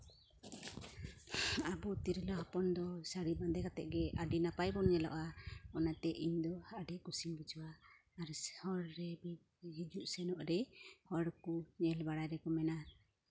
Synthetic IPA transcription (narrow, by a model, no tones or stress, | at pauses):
abɔt̪iɾɛlɔhapɔnd̪ɔsaɽiband̪ɛkat̪ɛʔ̚ɡɛaɖinapajbɔnɲɛlɔ̰ʔaɔnat̪ɛʔiɲd̪ɔhaʔɖɛʔkusimbid͡ʒɔwaː | ɾhɔɾːɛbi | ɦid͡ʒuʔsɛnɔʔɾɛhɔɾkuɲɛlbaɽajɾɛkɔmɛna